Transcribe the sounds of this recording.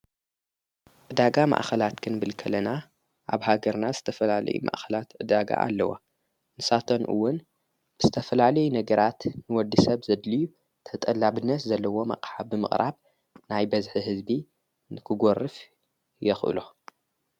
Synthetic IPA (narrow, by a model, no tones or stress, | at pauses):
ʔɨd̪aɡama̰ʔxɐlat̪kʰɨnbɨlkʰɐlɐna | ʔaβhaɡɐɾnazɨt̪ʰɐfɐlalɐ̰jṵmʔa̰ʔxɐlat̪ʕɨd̪aɡa̰ʔa̰lːɐwa̰ | nɨsat̪ʰonʔɨ̰wːʊn | b̥ɨzɨt̪ʰɐfɐlalɐjunɐɡɐɾat̪nɨwɔd̪isɐβzɐd̪liju | t̪ʰɐt̪ʼɐlːabɨnːɐt̪zɐlːɐwo̞ma̰qʼħaːɨmɨ̰χʼɾa̰β | najbɐzħiɦɨzbi | nɨkʰɨɡorɨf | jɛxʔɨ̰lo